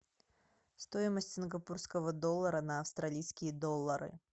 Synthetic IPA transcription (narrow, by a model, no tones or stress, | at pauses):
st̪oɪməsʲtʲsʲiɪnɡɐpurskəvəd̪olˠːəɾənɐɐfst̪ɾalʲijskʲɪjəd̪olˠːəɾɨ̰